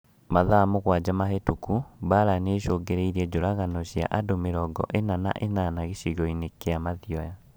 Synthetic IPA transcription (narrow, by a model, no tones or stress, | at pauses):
maðamoɣwad͡ʑamaɦetukuβaɾaneːʃoːɡeɾeiɾiɛd͡ʑoɾaɣanɔɕia̰ʔadomeɾɔɡɔ̰ʔenana̰ʔenanaɣeɕiɣɔinekeamaðiɔja